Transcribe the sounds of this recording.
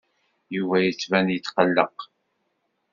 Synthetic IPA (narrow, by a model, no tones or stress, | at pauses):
juvæjət͡sːvænjət͡sːqəlːə̰q